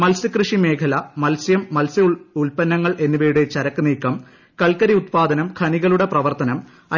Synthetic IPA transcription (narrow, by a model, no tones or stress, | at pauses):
mɐlsɨkrɨʂime̞ːkʰɐlɐmɐlsjɐmːɐlsɨuɭpɐnːɐŋːɐɭʔe̞nːubɐjuɽe̞t͡ɕɐɾɐkːɨniːkːɐm | kɐɭkɐɾiut̪̚paːd̪ɐnɐmkʰɐniɣɐɭuɽe̞prɐʋɐrt̪ɐnɐm | ɐ